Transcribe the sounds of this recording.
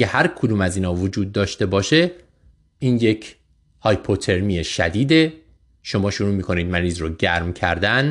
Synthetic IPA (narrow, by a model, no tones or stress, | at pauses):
ehæɾkʰod̪uːmæziːnɒːvod͡ʒuːd̪̚ːɒːʃt̪e̞bɒːʃe̞ | iːnje̞cʰ | hɒːjpʰot̪ʰe̞ɾmieʃæd̪iːd̪e̞ | ʃo̞mɒːʃuɾuːmiːkʰo̞niːd̪̚mæniːzɾoɟæɾmcʰæɾd̪æn